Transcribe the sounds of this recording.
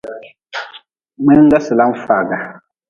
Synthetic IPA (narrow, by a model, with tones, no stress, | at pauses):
mɛ˦ŋ˦ɡa˦sɨ˨la˦m̩˦fa˨ɡa˨